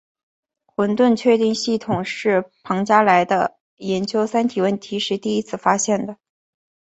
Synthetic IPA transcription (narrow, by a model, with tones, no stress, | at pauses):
xwə˧˥nt̪wə˥˧nt͡ɕʰɥɛ˥˧t̪i˥˧ŋɕi˥˩t̪ʰʊ˨˩ŋʂɻ̩˥˩pʰɑ˧˥ŋt͡ɕja˥la˧˥ɪd̪ə̰˧ | jɛ˧˥nt͡ɕjo˥ʊsa˥nt̪ʰi˨˩wə˥˩nt̪ʰi˧˥ʂɻ̩˥˧t̪i˥˩i˥t͡sʰɹ̩˥˩fa˥ɕjɛ˥˩nd̪ə˩